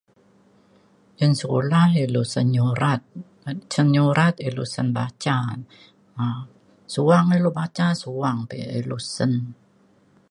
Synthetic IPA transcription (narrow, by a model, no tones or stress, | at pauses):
ʔənsəkṵlahilusənuɾat̪̚ | sənɲuɾat̪ilusənbat͡ʃa | a | suaŋilubat͡ʃasuaŋpiilusən